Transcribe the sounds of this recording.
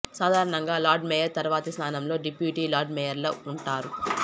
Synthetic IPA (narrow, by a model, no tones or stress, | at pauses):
saːd̪ʱaːɾɐɳɐŋɡaːlaːɾɖmɛjɐɾt̪ɐɾuʋaːt̪ɐsnaːnɐmlo̞ːɖipjuːʈiːlaːɾɖmɛjɐɾloːuɳʈaːɾu